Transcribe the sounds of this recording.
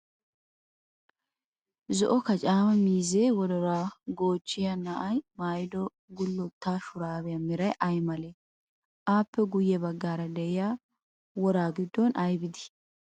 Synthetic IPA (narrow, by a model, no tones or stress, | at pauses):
zɔʔɔkɐt͡ʃʼaːmɐmiːzeːwɔd̪ɔɾaːɡoːt͡ʃːɪjɐnaʔɐjmaːjɪd̪ɔ | ɡʊlːɔt̪ːaːʃʊɾaːbɛjɐmɪɾɐjʔɐjmɐleː | ʔaːpːɛɡʊjːɛbɐɡːaːɾɐd̪ɛʔɪjaː | wɔɾaːɡɪd̪ːɔnʔɐjbɪd̪ɪ̥